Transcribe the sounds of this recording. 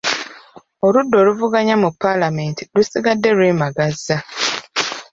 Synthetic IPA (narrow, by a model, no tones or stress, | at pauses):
oɾudːo̞luvuɡaɲamupːalame̞ntilusiɡadːe̞lweːmaɡazːa